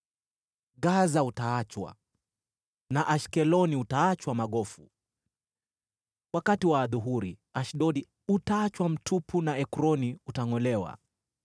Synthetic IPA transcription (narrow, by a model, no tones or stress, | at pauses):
ɡazautaat͡ʃwa̰ | naʔaʃkɛlɔniutaat͡ʃwamaɠɔfu | wakatiwaːðuɦuɾiaʃɗɔɗi | utaat͡ʃwam̩tʰupʰunaɛkɾɔniutaŋɔlɛwa̰